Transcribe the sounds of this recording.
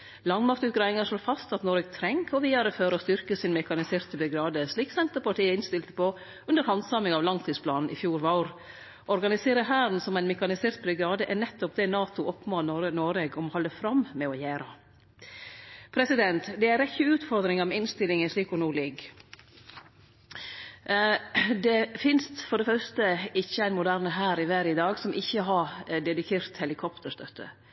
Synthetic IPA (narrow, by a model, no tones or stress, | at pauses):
lɑŋmɑkt̪ʉːt̪̚ɡɾɑːɪŋɑʂlɭoːfɑst̪ɑt̪noːɾɛːɡ̚t̪ʰɾɛŋkʰɔʋiːd̪ɑɾəføːɾɔst̪ʏɾkəsɪnmɛkɑnɪseːɾt̪bʉɡɾɑːd̪əsɭiːksɛnt̪əɾpɑʈʰiːəɪnst̪ɪlt̪ə̥po | ʉnd̪əɾhɑnsɑmɪŋɑʋlɑŋt̪ʰiːspʰlɑːnn̩ʔɪfjuːɾʋɑʊɾ | ɔɾɡɑnɪseːɾəɦæːɾn̩sɔmæɪnmɛkɑnɪseːɾt̪̚bɾʉɡɾɑːd̪əʔænɛt̪ːɔp̚d̪ɛnɑːt̪ʊʔɔpːmɑːnɔɾənoːɾeːɡɔmɔhɔlːəfɾɑmmɛɔjæːɾə | pʰɾɛsɪd̪ɛnt̪d̪ɛæɾɪçːəʉːt̪fɔɾd̪ɾɪŋɑmɛɪnst̪ɪlɪŋənʂɭiːkɔnuːlɪɡ | d̪ɛfɪnst̪fɔɾɖ̪ɛfœɾst̪əɪçːəæɪnmʊd̪æɾnəɦæːɾɪʋæːɾɪd̪ɑːɡsɔmʔɪçːəɦɑɾd̪ɛd̪ɪkʰeːɾt̪hɛlɪkʰɔpt̪ʰəʂt̪œt̪ʰːə̰